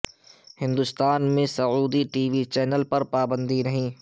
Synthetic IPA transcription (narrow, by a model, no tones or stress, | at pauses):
hɪ̃nd̪ʊst̪aːnmẽsɐuːd̪iʈiːʋit͡ʃɛːnəlpɐɾpaːbə̃nd̪iɾɐɦĩː